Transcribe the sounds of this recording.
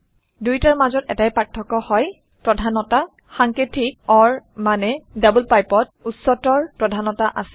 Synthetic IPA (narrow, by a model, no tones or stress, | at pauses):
dujtaɹmazɔtɛ̰tajpaɹtʰːɔkɔhɔj | pɹɔdʱanɔta | xaŋkɹitʰik̚ɔɹmanɛdabulpajpɔt̚utsɔtɔɹpɹɔdʱanɔtaʔa̰sɛ̥